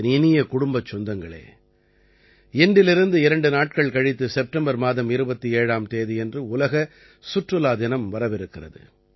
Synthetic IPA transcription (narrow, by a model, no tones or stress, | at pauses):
nɪnɪjɐkʊɽʊmbɐt͡ʃːɔnd̪ɐŋɡɐɭḛː | ɛnɖɪlɪɾɯnd̪ɯɪɾɐɳɖɯnaːʈ̚kɐɭkɐɻɪt̪ːɯsɛp̚ʈɐmbɐɾmaːðɐmɪɾɯbɐt̪ːieːɻaːmt̪eːðiɛndrɯʊlɐɣɐ | sʊʈrɯlaːðɪnɐmʋɐɾɐʋɪɾɯkːɪrɐðɯ̰